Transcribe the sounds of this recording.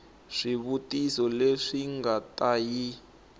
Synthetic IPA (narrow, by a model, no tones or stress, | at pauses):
ʂiβutʼisɔleʂiŋɡatʼaji